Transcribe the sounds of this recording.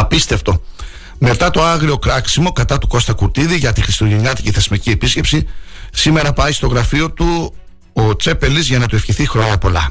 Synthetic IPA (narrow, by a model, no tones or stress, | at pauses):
ɐpist̪e̞ft̪o̞ | me̞t̪ɐt̪o̞ɐɣɾio̞kɾɐksimo̞kɐt̪ɐt̪u̥ko̞st̪ɐkuɾt̪iðiʝɐt̪ixɾist̪oʝeniɐt̪iciθe̞zmicie̞pisce̞psisime̞ɾɐpɐjst̪o̞ɣɾɐfio̞t̪u | ot͡se̞pe̞lizʝɐnɐt̪ue̞fçiθixɾo̞ɲɐpo̞lɐ̰